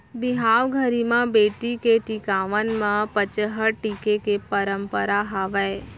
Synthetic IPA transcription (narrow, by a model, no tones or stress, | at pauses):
bɪɦaːʋɡʱəɾimãbeːʈikeʈikaːʋənmãpət͡ʃəɦəʈikekepəɾəmpəɾaɦaːʋəe